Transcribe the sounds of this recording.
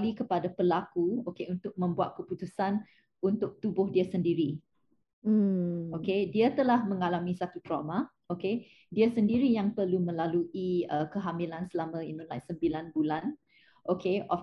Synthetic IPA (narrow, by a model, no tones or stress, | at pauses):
likəpadapəlakuokeunt̪ʊk̚mə̃mbuat̪̚kəput̪usan | unt̪ʊk̚t̪ubʊhdiəsəndiɾi | okediət̪əlahmə̃ŋalamisat̪ut̪ɾoma | oke | diəsəndiɾijaŋpərlumə̃laluʔiəkəɦamilansəlamə̃inũlajsəmbilanbulan | ʔokʰeʔɔf